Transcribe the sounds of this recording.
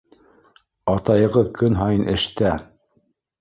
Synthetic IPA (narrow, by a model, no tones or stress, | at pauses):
ɑt̪ɑjɤ̆ʁɤðkɵnɦɑjɤnʔɘ̆ʃt̪æ